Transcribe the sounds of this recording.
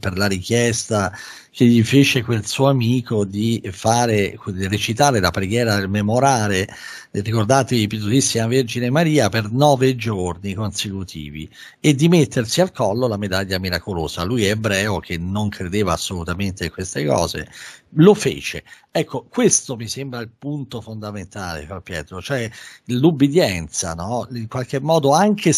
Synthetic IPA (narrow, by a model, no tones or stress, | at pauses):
perlaɾikjɛst̪a | keʎːifeːt͡ʃekwelsuːoamiːkod̪ifaːɾeret͡ʃit̪aːɾelapɾeɡjɛːɾad̪elmemoɾaːle | rikord̪aːt̪evipjet̪uzisːimaverd͡ʒinemaɾiːapernɔːved͡ʒornikonsekut̪ʰḭːvḭ | ed̪ːimet̪ːersialkɔlːolamed̪aʎːamiɾakoloːz̥a̰lujɛbɾɛːok̟ʰenoŋkʰɾed̪eːvaːsːolut̪ament̪ekːwest̪ekɔ̰ːzḛlofḛːt͡ʃḛ | ɛkːokwest̪omisembɾailpunt̪ofond̪ament̪aːlḛfampjɛ̰ːt̪ɾot͡ʃoɛlubid̪jɛnt̪sa̰nɔiŋkwalk̟emːɔːd̪oaŋk̟ʰe